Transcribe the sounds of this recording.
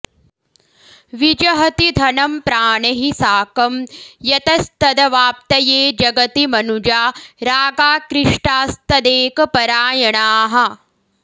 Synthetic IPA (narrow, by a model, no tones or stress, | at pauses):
ʋid͡ʒɐɦɐt̪id̪ʱɐnɐmpɾaːɳɐɦisaːkɐmjɐt̪ɐst̪ɐd̪ɐʋaːp̚t̪ɐjeːd͡ʒɐɡɐt̪imɐnud͡ʒaːɾaːɡaːkɾɪʂʈaːst̪ɐd̪eːkɐpɐɾaːjɐɳaːɦɐ̆